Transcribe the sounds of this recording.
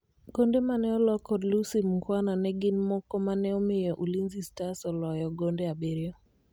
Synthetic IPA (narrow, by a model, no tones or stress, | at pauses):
ɡ̥ɔndɛmanɛɔlɔkɔdlusimukwananɛɡinmɔkɔmanɛɔmɪjɔʔulinzistasɔlɔjɔɡɔndɛabeɾiɔ